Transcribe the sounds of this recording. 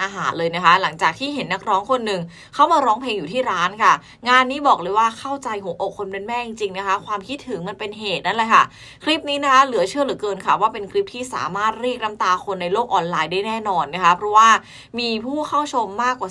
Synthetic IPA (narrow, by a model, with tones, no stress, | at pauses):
ʔaː˧ɦaː˩˦nlɤː˧jna˦˥kʰa˦˥la˩˦ŋt͡ɕaː˨˩k̚t̪ʰiː˥˩ɦe˩˦nːa˦˥k̚ɾɔː˦˥ŋkʰo˧nːɯ˨˩ŋ | kʰa˥˩wmaː˧ɾɔː˦˥ŋpʰleː˧ŋjuː˨˩t̪ʰiː˥˩ɾaː˦˥nkʰa˥˩ | ŋaː˧nːiː˦˥bɔː˨˩k̚lɤː˧jwaː˥˩kʰa˥˩wt͡ɕa˧jkʰɔː˨˩˦ŋʔo˨˩k̚ʰːo˧npe˧nmɛː˥˩t͡ɕi˧ŋt͡ɕi˧ŋna˦˥kʰa˦˥kʰwaː˧mkʰi˦˥t̪̚ʰːɯ˨˩˦ŋma˧npe˧nɦeː˨˩t̪̚na˥˩laː˨˧˩jkʰa̰˥˩ | kʰɾi˦˥p̚niː˦˥na˦˥kʰa˦˥lɯ˨˩˦ɐt͡ɕʰɯ˥˩əlɯ˨˩˦kɤː˧nkʰa˦˥˩waː˥˩pe˧nkʰli˦˥p̚t̪ʰiː˥˩sa̰ː˩˦maː˥˩t̪̚ɾiː˥˩k̚na˦˥mt̪aː˧kʰo˧nːa˧jloː˥˩k̚ʔɔː˧nlaː˧jdaː˥˩jnɛː˥˩nɔː˧nːa˦˥kʰa˦˥pʰɾɔ˦˥waː˥˩ | miː˧pʰuː˥˩kʰa˥˩wt͡ɕʰo˧mːaː˥˩kwaː˨˩